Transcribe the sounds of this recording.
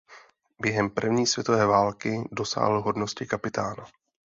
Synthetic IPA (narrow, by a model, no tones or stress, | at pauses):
bjɛɦɛmpr̩vɲiːsvjɛt̪ovɛːvaːlkɪdo̞sa̰ːɦl̩ɦo̞dno̞scɪkapɪt̪ʰaːna